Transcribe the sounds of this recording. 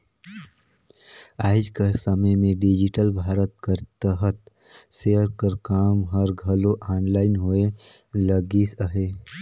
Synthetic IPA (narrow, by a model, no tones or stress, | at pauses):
aːɪd͡ʒkəsəməjmẽɖid͡ʒɪʈəlbʱaːɾət̪̚kəɾt̪əɦət̪ | seːəɾkəɾkaːmɦəɾɡʱəloʔaːnlaːɪnɦoe | ləɡisəɦeː